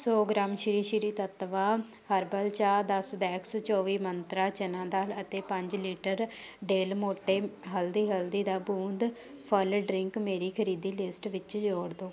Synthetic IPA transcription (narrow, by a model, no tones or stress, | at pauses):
soːɡɾaːmʃɪɾiːʃiɾiːt̪ət̪ʋaːhəɾbəlt͡ʃaːd̪əsbɛːkst͡ʃɔːʋiːmənt̪ɾaːt͡ʃənãːd̪aːlət̪eːpə̃ɲd͡ʒliːʈəɾ | ɖeːlmoːʈːeːɦəld̪iːɦəld̪iːd̪aːbuːnd̪ | pʰəlɖɾɪŋkmeːɾiːkʰəɾiːd̪iːlɪsʈʋɪt͡ʃd͡ʒoːɽd̪oː